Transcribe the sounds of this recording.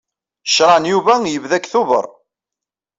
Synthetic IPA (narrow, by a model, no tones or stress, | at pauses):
ʃɾˤɑnjuvæjəvðækːθuvə̰ɾˤ